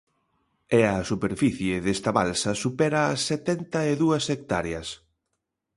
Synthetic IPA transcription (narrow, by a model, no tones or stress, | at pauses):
ɛɐsupeɾfiθjɪðest̪ɐβalsɐsupɛɾɐːsːet̪ɛnt̪ɐeðuɐsek̚t̪aɾeɐs